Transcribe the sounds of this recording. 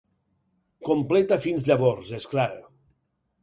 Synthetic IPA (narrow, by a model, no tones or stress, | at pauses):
komplet̪afinzʎaβɔɾzesklaɾa̰